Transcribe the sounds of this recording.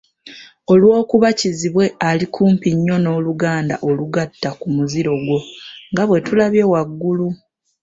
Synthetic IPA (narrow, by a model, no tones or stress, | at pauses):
o̞lwo̞ːkuβaciziβwe̞alikʰuːmpiɲːo̞no̞ːluɡaːnda̰ʔo̞luɡatːakumuziɾo̞ɡwo̞ŋɡaβwe̞tulaβje̞waɡːulu